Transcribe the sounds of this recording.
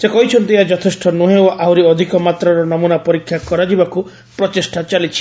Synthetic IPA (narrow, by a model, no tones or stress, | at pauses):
sekɔɦit͡ʃʰɔnt̪iɦad͡ʒɔt̪ʰesʈɔnuɦewawɾiɔd̪ʱikɔmat̪ɾɔɾɔnɔmunapɔɾikʰːjakɔɾad͡ʒibaku | pɾɔt͡ʃesʈʰat͡ʃalit͡ʃʰi̥